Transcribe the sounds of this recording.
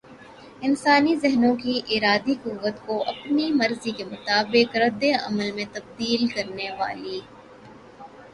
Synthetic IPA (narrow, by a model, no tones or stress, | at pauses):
ɪnsaːnizɪɦnõkiʔɪɾaːd̪ikuːʋːət̪koʔɐpnimɐɾzikemʊt̪aːbɪkɾɐd̪ːeɐ̰məlmẽt̪ɐb̚d̪iːlkɐɾneʋa̰ːliː